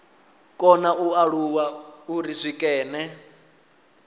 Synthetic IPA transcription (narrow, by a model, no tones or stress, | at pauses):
kʼɔnaʔuaɺuwauriʂʷikʼɛːnɛ